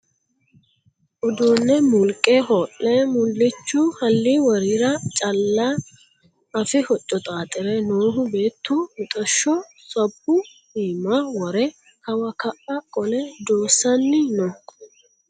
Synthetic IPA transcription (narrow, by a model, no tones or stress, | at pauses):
ʔʊd̪uːnːɛmʊlkʼɛhɔːʔːɛmʊlːɪt͡ʃːuhɐlːiːwɐɾiɾɐt͡ʃʼɐlːa | ɐfɪhɔt͡ʃʼːɔt̪ʼaːt̪ʼɪɾɛnoːɦʊbe̞ːt̪ːumʊt̪ʼɔʃːɔ | sɔbːʊ | hiːmɐwɔɾɛ | kɐwɐkɐʔɐkʼɔlɛd̪oːsːɐnːɪnɔ